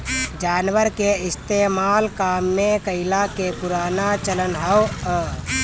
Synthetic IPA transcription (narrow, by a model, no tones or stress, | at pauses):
d͡ʒaːnʋəɾkeist̪emalkamːekəɪlakepuɾanat͡ʃələnɦəwə